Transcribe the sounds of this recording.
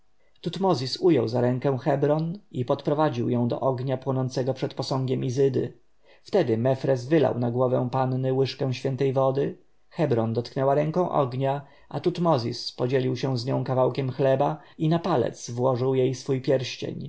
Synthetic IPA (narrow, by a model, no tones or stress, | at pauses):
t̪ut̪mɔzʲisujɔwzaɾɛ̃ŋkɛ̃w̃xɛbɾɔnipɔt̪pɾɔvad͡ʑiwjɔ̃w̃d̪ɔ̰ʔɔɡɲapwɔnɔnt̪sɛɡɔpʂɛt̪pɔsɔ̃ŋɡʲɛmizɘd̪ɘ̰ | ft̪ɛd̪ɘmɛfɾɛzvɘla̰wnaɡwɔvɛ̃w̃panːɘwɘʂkɛ̃w̃ɕfʲɛnt̪ɛjvɔd̪ɘ | xɛbɾɔnd̪ɔt̪knɛwaɾɛŋkɔ̃w̃ʔɔ̰ɡɲa | ʔat̪ut̪mɔzʲispɔd͡ʑelʲiwɕɛ̃w̃zɲɔ̃w̃kavawkʲɛmxlɛbainapalɛ̰t̪svwɔʐɘwjejsfujpʲjɛɾɕt͡ɕḛɲ